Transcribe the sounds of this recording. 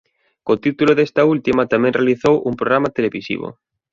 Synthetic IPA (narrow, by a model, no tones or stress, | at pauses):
kot̪it̪uloðest̪ault̪imat̪amẽnrealiθowʔumpɾoɣɾamat̪eleβisḭβo̰